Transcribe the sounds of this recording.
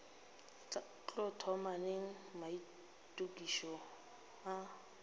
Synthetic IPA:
t͡ɬʼɔtʰɔmaneŋ̩mai | tʼukʼiʃɔ | a

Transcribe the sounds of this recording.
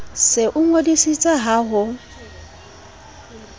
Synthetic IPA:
sɪʔʊŋodisit͡sʼaɦaɦʊ

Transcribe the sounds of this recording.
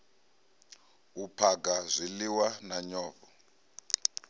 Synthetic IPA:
upʰaɡazʷiliwanaɲɔːvɔ

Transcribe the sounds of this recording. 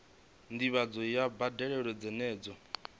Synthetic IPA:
ndiβad͡zɔjabadɛɺɛɺɔd͡zɛnɛːd͡zɔ

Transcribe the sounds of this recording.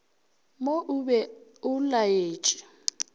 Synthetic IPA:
moʔʊbɛʊlajeːt͡ʃʼɪ

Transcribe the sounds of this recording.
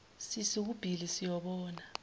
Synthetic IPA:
sisiub̥ʱilisijɔɓɔːna

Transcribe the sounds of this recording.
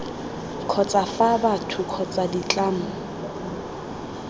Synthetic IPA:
kʰɔt͡sʼafabatʰʊkʰɔt͡sʼadit͡ɬʼaːmʊ

